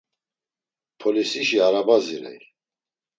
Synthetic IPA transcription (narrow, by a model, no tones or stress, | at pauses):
pʰɔlisiʃiaɾabaziɾɛ̰j